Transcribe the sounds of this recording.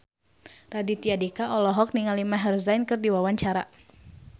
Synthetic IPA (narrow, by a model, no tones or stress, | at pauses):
radit̪iadikaʔɔlɔɦɔk̚niŋalimaɦɛrzajnkɨrdiwawaɲt͡ʃaɾa